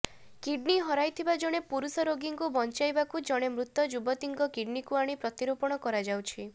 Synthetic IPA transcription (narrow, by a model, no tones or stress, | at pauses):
kiɖniɦɔɾajt̪ʰibad͡ʒɔɽ̃epuɾusɔɾoɡiŋkubɔnt͡ʃajbakud͡ʒɔɽ̃emɾut̪ːɔd͡ʒubɔt̪iŋɡɔkiɖnikuaɽ̃ipɾɔt̪iɾopɔɽ̃ɔkɔɾad͡ʒawt͡ʃʰi